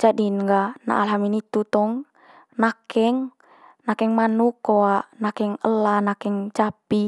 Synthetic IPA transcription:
d͡ʒadinŋɡana̰ʔalɦaminit̪ut̪ɔŋ | nakɛŋ | nakɛŋmanukːɔaʔnakɛŋəlanakɛŋt͡ʃapi

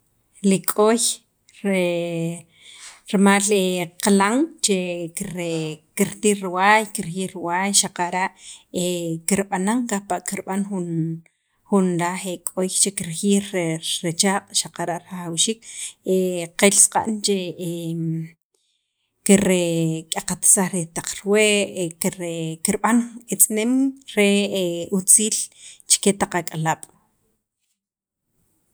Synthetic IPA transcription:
likʼoj | ɾe | ɾmaleqalaŋt͡ʃekiɾekiɾt̪iɾɾiwajkiɾxiːɾɾwajʃaqaɾaʔekiɾɓanaŋkapaʔkiɾɓanxun | xunɾaxekʼojt͡ʃekiɾxiːɾɾet͡ʃaːqʼʃaqaɾaʔɾaχawʃiːkeqelsqʼa̰ʔnt͡ʃe | kiɾekʼaqat̪saχɾet̪aq͡χɾweʔkɾekiɾɓanet͡sʼnemɾeut͡siːlt͡ʃe̥ket̪aq͡χakʼalaːɓ̥

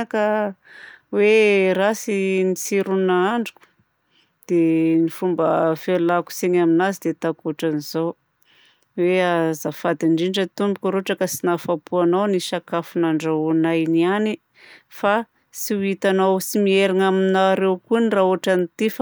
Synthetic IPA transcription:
kə | weɾasinisiɾunaaɳɖ͡ʐi̥ku̥ | d̪̥enifumbəfelaku̥seɲaminazid̪et̪akuʈ͡ʂaniz̥ow | weazafad̪iɳɖ͡ʐiɳɖ͡ʐət̪umbikʲuɾuaʈ͡ʂəkəsinafapuanowniʃakafunaɳɖ͡ʐaunajniani | fa | siuit̪anowsimieɾaŋaminaɾewkunirauaʈ͡ʂanit̪ifa

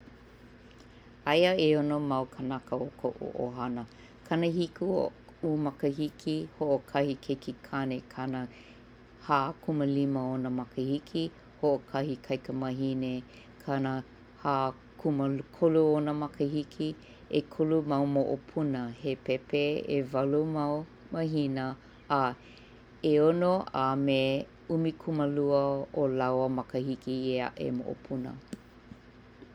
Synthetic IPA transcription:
ɐjəeonomɐwkʰənɐkəokʰə̰ʔo̰ʔo̰ɦɐnə | kʰɐnəhiku | umɐkəɦikʰihoʔokʰɐhikʰekʰikʰanekʰɐnə | haːkʰuməliməonəmɐkəhikʰi | hoʔokʰɐhikʰɐjkəmɐɦine | kʰɐnə | haː | kʰuməkʰoluonəmɐkəhikʰi | ekʰulumɐwmoʔopʰunəhepepeḛvɐlumɐw | mɐɦinəː | eonoʔame | umikʰuməluəolawəmɐkəhikiea̰ʔḛmo̰ʔo̰pʰunə̰

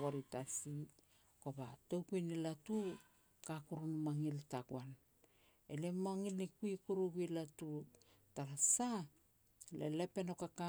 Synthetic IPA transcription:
oɾitasi | ko̞batowkujnilatu | kakuɾunumaŋiltaɡuan | elemaŋilnikuikuɾuɡuilatu | taɾasa | lḛlepe̞no̞kaka

